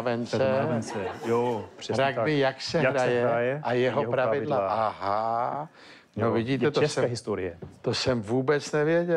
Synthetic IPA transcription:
vɛnt͡sɛɛnt͡sɛjoprɾaɡdɪjaksɛɾajɛjɛʔajɛɦopɾavɪdlaaʔaɦa | novɪɟiːt̪ɛt̪oɛsɛɛɦɪst̪oɾɪɛt̪osɛmvuːbɛt͡snɛvjɛɟɛ

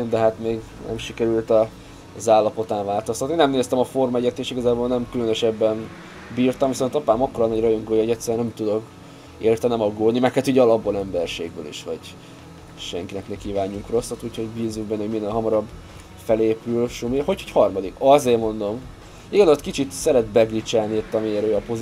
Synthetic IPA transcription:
nd̪ɛɦat̪meːɡ | nɛ̰mʃikɛɾylt̪ɒ | zaːlːɒpo̞t̪aːɱvaːlt̪o̞st̪ɒt̪ninɛmneːst̪ɛmɒfo̞rmɛɟɛt̪ːeːʃiɡɒzaːbolnɛmkylønøʃɛbːɛn | biːrt̪ɒmviso̞nt̪ɒpaːmɒkːoɾɒnɒɟrɒjoŋɡoːjoɟɛt̪sɛɾyɛnɛmt̪ud̪o̞k | eːrt̪ɛnɛmɒɡoːd̪nimɛkhat̪uːɟɛɒlɒbːolɛmbɛrʃḛːɡbø̰ːlḭʃhɒ̰ɟ | ʃɛŋkinɛknɛkːiːvaːɲːuŋkro̞sːɒt̪uːcʰho̞ɟbiːzːuɡ̚bɛnːoɟminːeːlɦɒmɒɾɒbː | fɛleːpylʃumiho̞chochɒrmɒd̪ikɒzeːrmo̞nd̪o̞m | iɡɒzot̪kit͡ʃit̪sɛɾɛd̪bɛɡlit͡ʃɛlniit̪ːɒmieːɾøːɒpoz

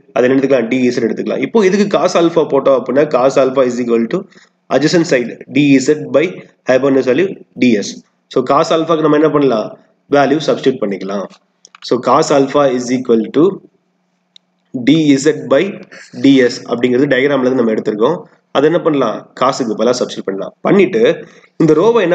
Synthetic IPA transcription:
ʔɐðɛnɛɽɐt̪ːɯkɐlãːɖiːiːsɛʈɛɽɯt̪ːɯkːɐlã̰ːɪpːoːɪðɯkːɯkaːsɐlfaːpoːʈːõɐpːɐɽɪnːɐːkaːsɐlfaːɪsiːkʋɐlʈu | ʔɐd͡ʒɐsɐnsɐɪɖɖiːiːsɛʈ̚bɐɪ | hɐɪp̬ɐnːɯs̬ɐlːiɖiːɛs | soːkaːsɐːlfaːkːɯnɐmːɐɛnːɐpɐɳːɐlãː | ʋaːljusɐbskɾɪʈ̚pɐɳːɪkːɐlãː | soːkaːsɐlfaːɪziːkʋɐlʈu | ɖiːisɛʈ̚bɐɪɖiːɛsɐ̰pːɐɽɪ̃ŋɡɪɾɐðɯɖɐɪɡɾaːmlɐɯnɐmːɐɛɽɯt̪ːɯɾɯkːõː | ɐðɛnːɐpɐɳːɐlã̰ːkaːsɯk̬ːɯpoːlãːsɐbskɾɪʈ̚pɐɳːɐlã̰ːpɐɳːɪʈːɯ | ɪnd̪ɐɾoːbaɛnː

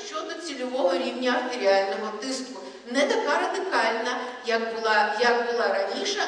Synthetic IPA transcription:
ʃt͡ʃɔd̪ɔt͡sʲilʲʊʋɔɦɔɾʲiwnʲɐɐrt̪eɾʲialʲnɔɦɔt̪ɪskkʊ | nɛt̪ɐkɑɾɐd̪ɪkɑlʲnɐjɐkbʊlˠɑjɐkbʊlˠɑɾɐnʲiʃɐ

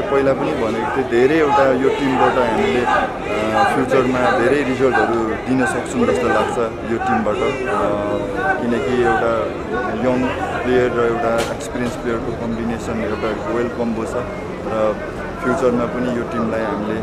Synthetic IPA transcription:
pʌɦilapʌnibʱʌnet̪ed̪ʱeɾʌjewʈajoʈimbaʈʌɦamile | pʰjut͡sʌrmad̪ʱeɾʌjɾisʌlʈʌɾud̪inʌsʌk̚t͡sʰund͡zʌst̪ʌlaɡt͡sʰʌ | joʈimbaʈʌ | kinʌkiewʈa | jʌmplejʌrːʌewʈaekspiɾiʌnsplejʌrkokʌmbinesʌnewʈaɡojʌlkʌmbot͡sʰʌ | rʌ | pʰjut͡sʌrmapʌnijoʈimlajɦamile

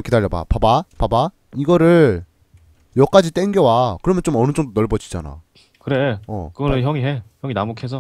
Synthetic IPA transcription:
kidaʎːʌba̰pabapaba | iɡʌɾɯɭ | jʌk͈ad͡ʑit͈eŋɡjʌwakɯɾʌmjʌnt͡ɕomʌnɯd͡ʑʌŋdonʌɭbʌd͡ʑʰi̥d͡ʑa̰na̰ | kɯɾe̞ʌ̰kɯɡʌnɯjʌŋiɦeçjʌŋinamokʰesʰʌ

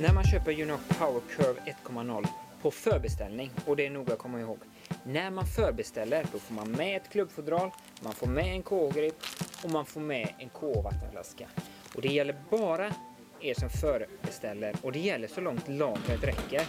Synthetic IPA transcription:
næɾmanɕøːpəɾjʉnɔkpʰaʊəɾkʰœvɛt̪ːkʰɔmːanɔlːpʰɔfœːɾbɛst̪ɛlnɪŋɔd̪ɛːɳuːɡakʰɔmːaɪhoːɡ | næɾmanfœːɾbɛst̪ɛlːəɾɖ̪ɔfoːɾmanmɛɛt̪kʰlɵbːfʊd̪ɾɑːl | manfoːɾmɛɛnkʰoːɡɾɪpɔmanfoːɾmɛɛnkʰoːva̰t̪ːənfla̰ska | ɔd̪ɛjɛlːəɾbɑːɾa | eʂɔmfœːɾbɛst̪ɛlːəɾɔd̪ɛjɛlːəʂɔlɔŋt̪lɑːɡɛt̪ɾɛkːəɾ

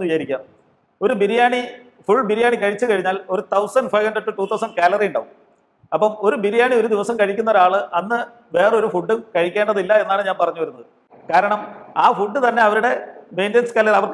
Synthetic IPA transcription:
ʋit͡ɕaɾikʲːaː | o̞ɾubiɾijaːɳi | fuɭbiɾijaːɳikɐɻit͡ɕːɨkɐɻiɲːaːlo̞ɾut̪ʰɐwsɐnɖfɐjhɐndreɖʈːɨʈːuːt̪ʰːɐwsɐnɖkaːlɐrijuɳɖa̰ːʋum | ɐpːɐmo̞ɾubiɾijaːɳio̞ɾud̪iʋɐsɐmkɐɻikʲːunːɐðaːɭɨʔɐnːɨ | ʋe̞ːrɐo̞ɾufuɖːumkɐɻikʲːe̞ːɳɖɐðilːɐe̞nːaːɳɨɲaːnpɐrɐɲːuʋɐɾunːɐðɨ | kaːɾɐɳɐmaːfuɖːɨt̪ɐnːe̞ɐʋɐɾuɽe̞me̞jndenskaːlːɐɐʋɐrk

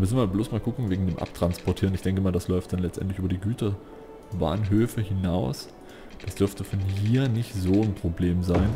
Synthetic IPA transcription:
mʏsn̩maːbloːsmaːlɡʊkŋ̩veːɡŋ̩deːmʔa̰p̚tʁ̥anspʰɔɐtʰiːʁnɪçd̥ɛŋkəmaːɐldaslɔʏftd̥anlɛt͡stʔɛ̰ntlɪçʔyːbɐdiːɡyːtɐ | ba̰ːnɦøːfəhɪnaʊs | d̥asd̥ʏɐftəfɔnɦiːɐnɪçtz̥oːnpʁ̥obleːmzaɪn

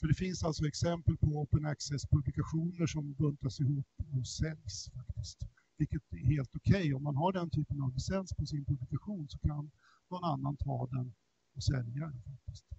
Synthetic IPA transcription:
fœɖɛfɪnsalt̪sɔɛksɛmpəlpʰɔɔːpənæksɛspʰɵblɪkaɧuːnəʂɔmbɵnt̪asɪɦuːpːɔsɛljsfakt̪ɪst̪ | vɪlkət̪ɛheːlt̪ɔkʰɛjɔmːanɦaɖɛnt̪ʰyːpənavlɪsɛnspʰɔsɪnpʰɵblɪkaɧuːnsɔkʰan | nɔnanːant̪ʰɑ̰ːd̪ɛn | ɔsɛljad̪ɛnfak̚t̪ɪst̪

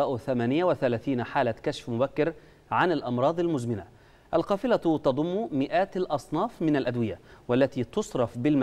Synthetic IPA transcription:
ɑːʔθamaːnɪjawɪθalæːθiːnħaːlakaʃfmʊbækːɪɾ | ʕanalʔɑmɾˤɑːd̪ˤalmʊzmɪna | ʔalqɑːfɪlat̪ɑd̪ˤʊmːmɪʔaːt̪lʔɑsˤnɑːfmɪnalʔad̪wɪjawalːat̪iːt̪ʊsˤɾˤɑfbɪlm

